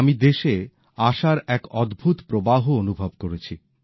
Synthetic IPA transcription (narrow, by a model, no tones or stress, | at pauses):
mid̪eʃe | aʃaɾɛkɔd̪bʱut̪pɾobaɦoonubʱobkoɾet͡ɕʰi